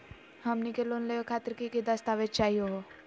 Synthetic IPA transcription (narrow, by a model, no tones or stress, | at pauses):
hɐmnikeloːnlejokʰaːt̪əɾkikid̪ɐst̪aːʋed͡ʒt͡ʃaːɦijoɦo